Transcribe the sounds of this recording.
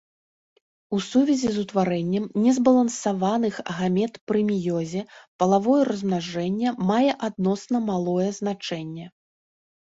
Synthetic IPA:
usuvʲɛzʲizut̪vaɾɛnʲːɛmnʲɛzbɐlˠɐnsavanɨxɣamʲɛt̪pɾɨmʲijɔzʲɛpɐlˠavɔjɛrɐzmnaʐɛnʲːɐmajɛʔad̪̚nɔsnɐmalˠɔjɛzn̪at͡ʂɛnʲːɛ

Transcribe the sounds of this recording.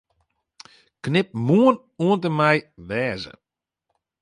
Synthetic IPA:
knɪp̚muən | uəntəmɛjʋɛːzə̰

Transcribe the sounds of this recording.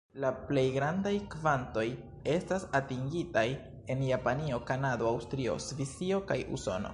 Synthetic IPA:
laple̞jɡɾandajkvanto̞j | e̞stasatiŋɡitaj | e̞njapanio̞kanado̞awstɾio̞̰svisio̞kajṵso̞̰no̰

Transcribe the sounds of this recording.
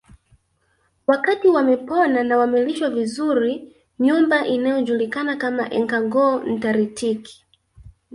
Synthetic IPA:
wakatiwamɛpɔnanawamiliʃwavizuɾi | ɲumbaʔinajɔʄulikanakamaʔɛ̰ŋkaɡɔːn̩taɾitikʰi̥

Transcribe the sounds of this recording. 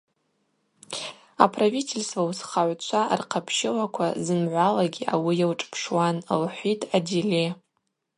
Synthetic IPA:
a̰pʰravitʰelʲstvausχaʕʷt͡ʃʷʰa̰rqʰapʰʃɪlakʷʰazɨnʕʷalaɡʲiʔa̰wijawʈ͡ʂʼpʰʂwanlħʷitʰʼadile

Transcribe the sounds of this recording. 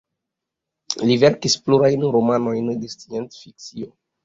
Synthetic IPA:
live̞ɾkispluɾajnɾomano̞jndestientfik̚t͡sio̞

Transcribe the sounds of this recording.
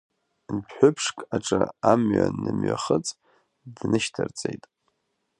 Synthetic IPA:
pʰħʷʊpʰʂkʼaʈ͡ʂʼɨamɥanːɨmɥaχət͡sʼ | dnɨʃtʰɨrt͡sʼejtʼ

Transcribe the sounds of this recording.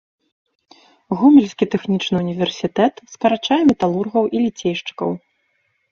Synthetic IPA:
ɣumʲɛlʲsʲkʲit̪ɛxnʲit͡ʂnɨunʲivʲɛrsʲit̪ɛt̪skɐɾat͡ʂajɛmʲɛt̪alˠurɣɐwʔilʲit͡sʲejʂt͡ʂɨ̥kɐ̰w

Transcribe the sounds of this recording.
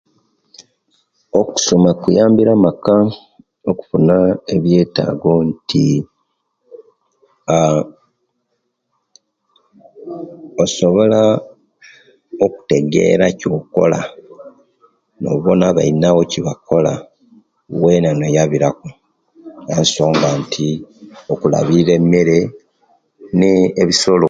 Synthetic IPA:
oku̥so̞makujaːmbiɾamaka | oku̥funae̞βje̞ːta̰ːɡo̞ntʰi | oso̞βo̞la | oku̥te̞ɡe̞̰ɾaco̞ko̞̰la | no̞̰βo̞naβa̰inawo̞ciβakʰo̞la̰ | wenanojaβiɾako | janso̞ːŋɡantʰiokula̰βiɾe̞me̞ɾe̞ | neːβiso̞lo

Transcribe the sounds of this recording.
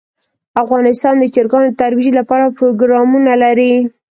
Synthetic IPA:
afɣɑnɪst̪ɑnd̪ət͡ʃɪɾɡɑnot̪aɾwiʒilapɑɾapɾoɡɾɑmunalaɾi

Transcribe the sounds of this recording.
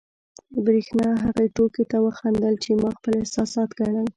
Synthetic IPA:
əbɾixnɑɦaɣeʈoket̪awəxand̪əlt͡ʃemɑxpəlɪhsɑsɑt̪ɡaɳəl

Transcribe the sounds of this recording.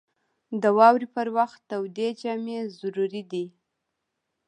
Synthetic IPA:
d̪əwɑwɾipəɾwaxt̪ːawd̪ed͡ʒamezʊɾuɾid̪i

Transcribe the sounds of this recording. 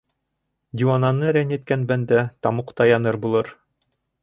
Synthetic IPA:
d̪ʲiwanɑnːɤɾænɘ̆t̪̚kænbænd̪æt̪ɑmuqt̪ɑjɑnɤɾbulˠɤɾ

